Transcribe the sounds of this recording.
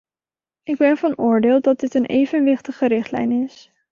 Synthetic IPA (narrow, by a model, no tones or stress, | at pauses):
ɪɡ̚bɛnvɑnʊːɹdeːlˠdɑt̚dɪtənʔḛjvənʋɪχtəχəɾɪχtlɛ̰jnɪs